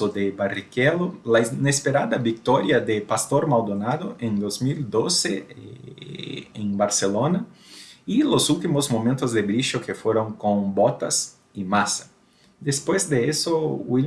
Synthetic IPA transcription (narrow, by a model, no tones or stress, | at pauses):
od̪ebarikelolainespeɾad̪ɐbik̚t̪ɔɾjɐd̪epast̪oɾmald̪onaðoẽŋd̪ozmild̪ose | ẽŋbaɾselonɐilosult̪imozmõmẽnt̪ozðebɾiʃokefweɾõŋkõŋbot̪ɐs | imasɐ̥ | d̪espwezd̪eesoi